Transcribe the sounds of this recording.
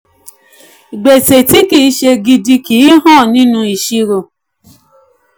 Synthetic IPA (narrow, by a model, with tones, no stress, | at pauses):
i˨ɡ͡be˨te˨ti˦ki˦˨˦ʃe˧ɡi˧di˧ki˨˦ɦɔ̃˦˨nĩ˦nũ˧i˨ʃi˦ɾo˧